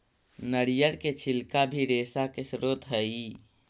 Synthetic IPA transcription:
nəɽijəɾket͡ʃʰɪlkabʱiɾeːsakesɾoːt̪ɦəi

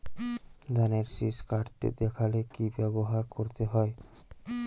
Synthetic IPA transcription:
d̪aneɾʃiʃkaɾt̪ḛd̪ɛkʰalekibɛboɦaɾkoɾt̪eɦɔe

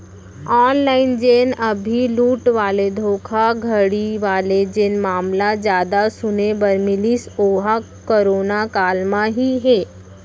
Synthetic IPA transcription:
aːnlaːɪnd͡ʒeːnəbʱiluːʈʋaːled̪ʱoːkʰaɡʱəɽiʋaːled͡ʒenmaːmlad͡ʒjaːd̪asʊnebəɾmɪlisoːa | koɾoːnakaːlmãɦiɦeː

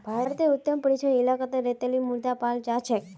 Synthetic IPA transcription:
bʱaɾt̪eʊt̪ːəmpəɾit͡ʃʰənilakat̪aɾet̪elimuɾd̪apald͡ʒat͡ʃʰek

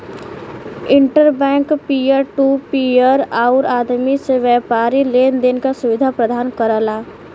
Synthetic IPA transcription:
ɪ̃ɳʈəɾbɛ̃ːŋkpiəɾʈupiəɾaʊɾaːd̪miseʋjɛːpaːɾileːnd̪enkasʊʋɪd̪ʱapɾəd̪ʱaːnkəɾəlaː

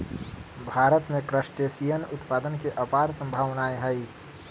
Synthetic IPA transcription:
bʱaːɾət̪mẽkɾəʃʈesijənʊt̪paːd̪ənkeʔɐpaːɾsɐ̃mbʱaːʋnaːeɦɐi

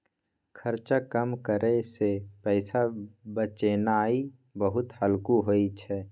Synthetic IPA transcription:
kʰəɾt͡ʃakəmkəɾesepɛɪsabət͡ʃenaːi | bəɦʊt̪həlkuɦoit͡ʃʰɛː

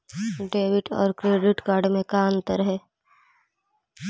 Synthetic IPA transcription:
ɖeːʋɪʈɔ̰ːɾkɾeːɖɪʈkaːɾɖmẽkaə̃nt̪əɾɦɛː

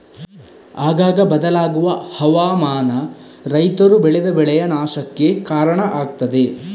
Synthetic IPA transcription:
aːɡaːɡɐbɐd̪ɐlaːɡuʋɐhɐʋaːmaːnɐ | ɾɐjt̪ɐɾubɛɭɛd̪ɐbɛɭɛjɐnaːʃɐkːe̞kaːɾɐɳɐʔaːɡ̚t̪ɐd̪e̞

